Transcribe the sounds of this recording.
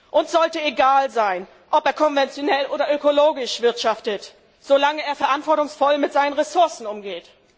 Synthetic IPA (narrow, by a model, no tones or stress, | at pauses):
ʔʊntz̥ɔltəeɡaːlzaɪn | ʔɔpeːɐkʰɔnvɛnt͡sjonɛlʔoːdɐʔøkoloːɡɪʃv̥ɪɐtʃaftət | z̥olaŋəeːɐfɛɐʔantv̥ɔɐtʊŋsfɔlmɪtz̥aɪnənʁesʊɐsn̩ʊmɡeːt